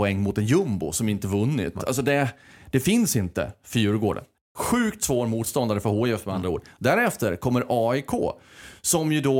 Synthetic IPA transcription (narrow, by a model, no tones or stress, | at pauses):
ɛŋːmʊt̪ɛnjɵmbʊ̰sɔmɪnt̪əvɵnːɪ̰t̪ːa̰ls̬ɔd̪ɛd̪̥ɛfɪnsɪnt̪ə̰fjʉːɾɡoːɖə̰n | ɧʉ̟ːkt̪svoːɾmuːt̪st̪ɔnd̪aɾəfœɾɦoːɪɛft̪mɛand̪ɾaṵːɖd̪æɾɛft̪əɾkʰɔmːəɾʔɑːɪkʰo̰ːsɔmjɵd̪ɔ